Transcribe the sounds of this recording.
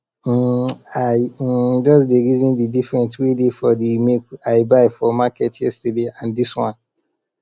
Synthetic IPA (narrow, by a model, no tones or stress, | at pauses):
aɪd͡ʒɔsdeɹizɔ̃ndidifɹɛ̃nswedefɔdimekaɪbaɪfɔmakɛtʰjɛstədeãndiswɔ̃n